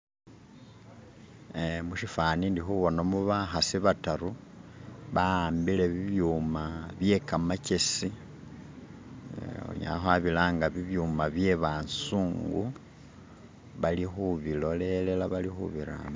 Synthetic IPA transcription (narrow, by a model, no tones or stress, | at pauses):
muʃifanindixuβo̞nomuβaxasiβataɾu | βaaːmbile̞βiβjuːmaβje̞kamace̞si | o̰ɲa̰xwaβilaːŋɡaβiβjuːmaβje̞βaːnsuːŋɡu | βalixuβilo̞le̞le̞laβalixṵβiɾa̰ːmo